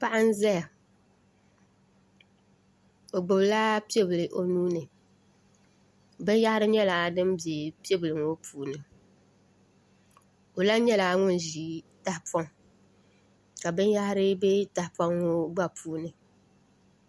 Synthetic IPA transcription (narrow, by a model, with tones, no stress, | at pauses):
pa˦ʔa˦n˦zɛ˦ja˨ | o˨ɡ͡bɨ˨bla˦pi˦e˦bɨ˨lɨ˨ʔo˨nuː˦nɨ˨ | bɨ˦n˦ja˦hɾɨ˦ɲɛ˦laː˨dɨ˦m˦bje˨pi˦e˦bɨ˨lɨ˨ŋo˦pʰuː˨nɨ˨ | o˨la˦ɲɛ˦laː˨ŋʊ˦n˨ʒi˨ta˨hpʰɔ˦ŋ | ka˨bɨ˦n˦ja˦hɾɨ˦be˦ta˨hpa˦ŋo˦ɡ͡ba˦pʰuː˦nɨ˨